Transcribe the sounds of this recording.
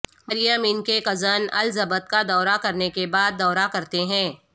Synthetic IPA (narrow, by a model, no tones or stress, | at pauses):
mɐɾjaːmiːnkeqɐzənɐ̰lzɐbət̪̚kad̪ɔːɾakɐɾnekebaːd̪̚ːɔːɾakɐɾt̪eɦɛ̃ː